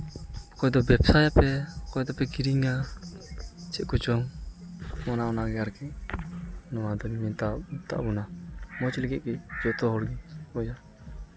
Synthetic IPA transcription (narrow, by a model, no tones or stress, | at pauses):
kɔɛd̪ɔbɛpsajapɛkɔɛd̪ɔpɛkiɾiŋa | t͡ʃʰɛʔ̚kut͡ʃɔŋ | mɔnaɔnaɡɛaɾkɛ | nɔwad̪ɔnimɛt̪at̪a̰ʔbunamɔt͡ʃilɛkiʔ̪̚kid͡ʒɔt̪ɔɦɔɽɡipɔd͡ʒa